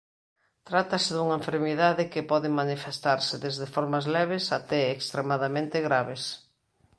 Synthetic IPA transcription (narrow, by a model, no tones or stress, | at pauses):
t̪ɾat̪ɐsɪðuŋɐeɱfeɾmiðaðɪkɪpɔðɪmanifest̪aɾsɪðezðɪfɔɾmazlɛβesat̪ɛːkst̪ɾemaðamẽnt̪ɪɣɾaβes